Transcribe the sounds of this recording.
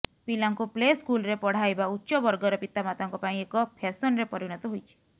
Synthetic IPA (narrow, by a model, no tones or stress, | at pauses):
pilaŋkupleskulɾepɔɽ̤ajbautːʃɔbɔɾɡɔɾɔpit̪amat̪aŋkɔpaĩekɔpʰasɔnɾepɔɾiɽ̃ɔt̪ɔɦojt͡ʃʰi̥